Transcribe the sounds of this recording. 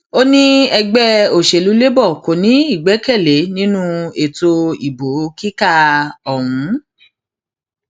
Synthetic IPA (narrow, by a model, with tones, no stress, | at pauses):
o˦nĩ˦ɛ˧ɡ͡bɛ˦o˨ʃe˨lu˨˦le˦bɔ˦˨ko˨nĩ˨˦i˦˨ɡ͡bɛ˨˦kɛ˦˨le˨˦nĩ˦nũ˦e˨to˧i˨bo˨˦ki˦ka˦˧ɔ˨wũ˨˦